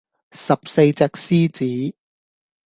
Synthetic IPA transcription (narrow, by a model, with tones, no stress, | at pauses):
sɐ˨p̚se˧jt͡sɛː˧k̚siː˥t͡siː˨˥